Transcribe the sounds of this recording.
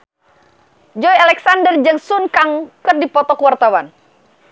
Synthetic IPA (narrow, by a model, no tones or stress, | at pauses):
d͡ʒɔjalɛksandərd͡ʒəŋsunkaŋkərdipɔt̪ɔkuwart̪awan